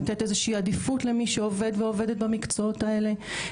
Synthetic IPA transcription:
t̪etezeʃiːadifutlemiʃeove̞d̪veo̞ve̞d̪et̪̚bamikt͡soo̞tae̞le̞

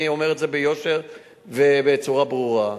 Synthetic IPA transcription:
o̞meʁetzebejo̞ʃe̞ʁ | vebet͡suʁabʁuʁa

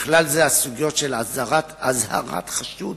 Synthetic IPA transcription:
χlalzeasuɡjo̞t̪ʃelazaʁatazha̰ʁa̰t̪χaʃud̪

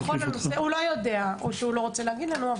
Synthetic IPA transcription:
χolnoseulojod̪e̞aʔoʃeulo̞ʁot͡seleaɡid̪lanua

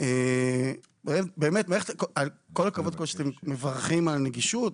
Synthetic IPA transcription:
e | beebeːmet̪meeχtkoalkolakavod̪koʃat̪emːevaʁχimalaneɡiʃut

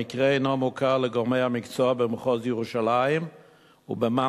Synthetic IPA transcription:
ɪkʁenɔmʊkʰalˠɪɡɔʁmeɪamɪkt͡sɔabɪmχɔsjuʁʊʃalajɪm | ʊ̰bɪma

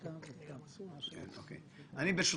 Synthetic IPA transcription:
kḛnokḛj | anibeʃu

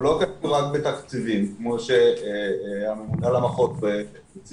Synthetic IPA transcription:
lokauʁakbet̪akt͡sivimkmo̞ʃe | ammuɡalamaχo̞t̪be | t͡s

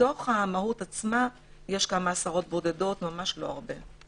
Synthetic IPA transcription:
o̞χhamahutat͡sma | je̞ʃkamaːsaʁo̞t̚bo̞dedo̞tmamaʃlo̞a̰ʁbe̞

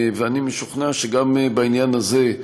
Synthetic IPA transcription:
veanimeʃuχnaʃeɡambainjanaze

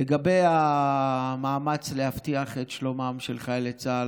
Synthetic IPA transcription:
eɡabe̞ja | maːmat͡slehaft̪iaχetʃlo̞mamʃelχajelet͡sal

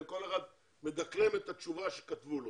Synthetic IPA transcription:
ko̞leχad̪ | med̪aklimet̪aʃuvaʃe̥kat̪vulo

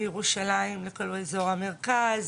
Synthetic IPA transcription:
jeʁuʃalaimleko̞lezo̞ʁhame̞ʁkaz

